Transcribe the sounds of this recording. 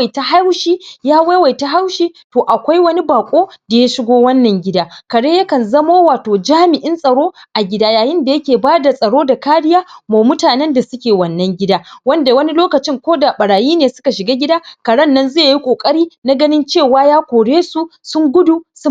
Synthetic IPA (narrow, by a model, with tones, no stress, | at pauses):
ta˦ɦa˦wʃiː˦jaː˦wa˦wa˨jta˦ɦa˦wʃiː˦toː˨ʔa˨kʷa˦jwɐ˦ni˦baː˨kʷʼoː˦da˨ja˦ʃɪ˦ɡʷoː˦wɐ˦nːɐ˨ŋɡʲɪ˦daː˦kɐ˨ɽeː˦jɐ˦kɐ˨nzɐ˦moː˦waː˨toː˨d͡ʒaː˦mɪ˨ʔɪ˦nsʼɐ˨ɽoː˦ʔa˨ɡʲɪ˦daː˦jaː˨jɪ˦nda˨jɐ˦kʲeː˨baː˦da˨sʼɐ˨ɽoː˦da˨kaː˦ɽɪ˦jaː˦maː˨mʊ˦taː˨nɛ˦nda˨sʊ˦kʲeː˨wɐ˨nːɐ˦ŋɡʲɪ˦daː˦wɐ˦nda˨wɐ˦ni˦loː˦kɐ˨t͡ʃɪ˦ŋkʷoː˦da˨ɓɐ˨ɽaː˨jiː˦neː˨sʊ˦ka˨ʃɪ˨ɡaː˦ɡʲɪ˦daː˦kɐ˨ɽɐ˦nːɐ˦nzeː˦˨ji˦kʷʼoː˨kʼɐ˦ɽiː˦na˦ɡɐ˦nɪ˦nt͡ʃeː˦˨waː˦jaː˦kʷoː˨ɽeː˦su˦sʊ˦ŋɡʷʊ˦du˨sʊ˦